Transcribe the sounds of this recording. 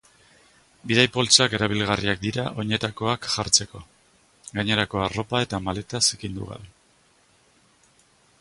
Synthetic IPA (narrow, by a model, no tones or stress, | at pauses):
biðajpo̞lt͡sake̞ɾaβ̞ilɣariak̚d̪iɾaʔo̞ɲe̞t̪ako̞akʝaɾt͡se̞ko̞ | ɡaɲe̞ɾako̞aro̞pae̞t̪amale̞t̪asekind̪ṵɣa̰βe